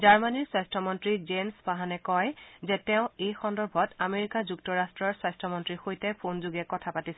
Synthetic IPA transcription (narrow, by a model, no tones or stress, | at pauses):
zaɹmaniɹswajstʰɔmɔntɹizenspaɦanɛkɔjzɛtɛʊ̃ejxɔndɔɹbʱɔtameɹikazuktɔɹastɹɔɹswajstʰɔmɔntɹixojtɛpʰonzuɡɛkɔtʰapatis